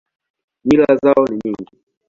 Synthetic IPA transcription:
miɾazaɔniɲiŋɡi

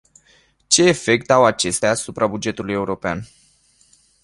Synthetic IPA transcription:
t͡ʃe̞ːfe̞k̚t̪awat͡ʃe̞st̪eaːsupɾabud͡ʒe̞t̪uluje̞uɾo̞pea̰n

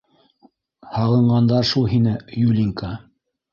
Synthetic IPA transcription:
hɑʁɤ̆ɴɢɑnd̪ɑɾʃulˠɦinɘjulʲiŋka

